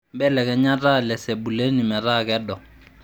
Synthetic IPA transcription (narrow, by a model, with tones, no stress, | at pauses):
mbɛ˦lɛ˨kɛ˨ɲa˦ta˦lɛ˨se˨bu˨le˦ni˨mɛ˨ra˦kɛ˦dɔ˨